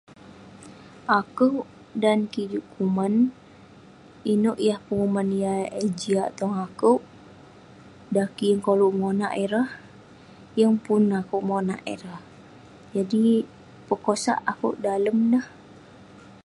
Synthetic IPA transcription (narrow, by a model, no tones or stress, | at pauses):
ʔakəʔ | dankid͡ʒuʔkuman | inoʔjahpəŋumanijaed͡ʒiaʔt̪ɔŋakəwʔ | dakiŋkoluʔmonaʔeɾah | jəŋpunakuʔmona̰ʔḛɾah | d͡ʒadi | pəkosa̰ʔakṵʔdaləmdəh